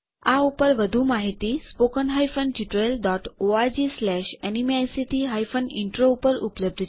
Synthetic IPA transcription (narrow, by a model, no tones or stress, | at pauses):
aupəɾʋəd̪ʱuːmaɦit̪iːspokənɦajfənd͡ʑiʈɾelɖɔʈoad͡ʑislæɕɛnimasit̪iɦajfənḭɳʈɾoupəɾṵpələb̚d̪ʱt͡ɕ